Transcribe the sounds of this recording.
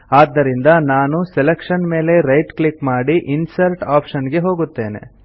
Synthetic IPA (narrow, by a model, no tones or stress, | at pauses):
aːd̪ːɐɾind̪ɐnaːnuselekʂɐnme̞ːle̞ɾɐjʈklikmaːɽiʔinsɐɾʈaːpʃɐnɡe̞ɦo̞ːɡut̪ːe̞ːne̞̰